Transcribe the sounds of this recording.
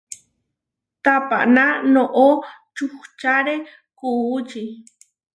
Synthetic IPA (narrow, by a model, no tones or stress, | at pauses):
t̪apa̰ʔnanoʔot͡ʃuχt͡ʃaɾe | kuːt͡ʃi